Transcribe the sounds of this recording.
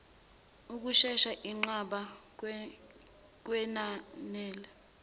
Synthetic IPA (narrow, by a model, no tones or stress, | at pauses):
uk̬uʃɛʃaʔiŋ͡ǃaɓa | k̬wɛnanɛːlɛ